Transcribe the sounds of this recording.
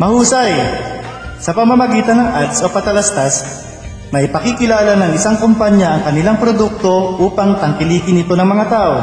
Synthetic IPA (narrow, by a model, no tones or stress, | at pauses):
mɐhuːsɐj | sɐpɐmɐmɐɡiːt̪ɐnɐŋʔad̪sopɐt̪ɐlast̪ɐs | mɐʔɪpɐkikɪlaːlɐnɐŋɪsaŋkompaɲjɐʔɐŋkɐnɪlaŋpɾod̪uk̚t̪o̞ʔuːpɐŋt̪ɐŋkɪliːkɪnɪt̪o̞nɐŋmɐŋat̪aːʔo̞